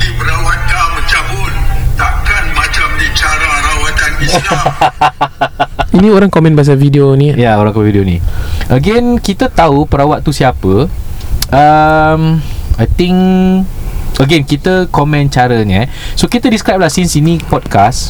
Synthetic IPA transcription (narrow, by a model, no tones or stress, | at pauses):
dipəɾawat̪̚kamət͡ʃambunt̪ap̚kanmat͡ʃamdit͡ʃaɾaɾawat̪anbisna | inĩoɾaŋkɔmɛ̃nbaas̬avidionĩjaoɾãŋkɔmɛ̃vidionḭ̃ʔəɡɛnkit̪ət̪aupəɾawaʔ̪̚t̪usiapə | əmajt̪ĩŋ | əɡɛnkit̪əkɔmɛ̃nt͡ʃaɾəɲa | sokit̪ədiskɾajp̚lahsinsinĩpɔd̚kas